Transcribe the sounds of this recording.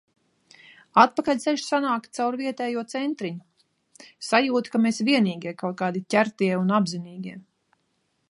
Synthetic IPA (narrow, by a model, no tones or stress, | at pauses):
at̪̚pakalʲt̪sɛʃsanaːkt̪̚t̪sawɾviɛt̪ɛːjuɔt̪sɛnt̪ɾiɲu | sajuːt̪kameːsvʲiɛniːɡʲiɛkawt̪̚kaːd̪itʲæɾt̪iɛunabziniːɡʲiɛ